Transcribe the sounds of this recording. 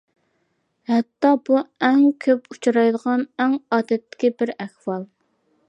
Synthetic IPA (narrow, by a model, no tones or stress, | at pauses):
hɛt̪ːɑbuɛŋkʲʰøput͡ʃʰɑɾɑjd̪əʁɑnɛŋɑːd̪ɛt̪ːɪ̥kʲibɪɾæχwɑlˠ